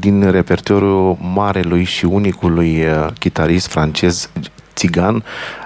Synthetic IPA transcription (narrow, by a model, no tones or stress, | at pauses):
d̪inre̞pe̞rt̪oɾjumaɾelujʃiunikulujkʲit̪aɾist̪fɾant͡ʃe̞z | t̪siɡan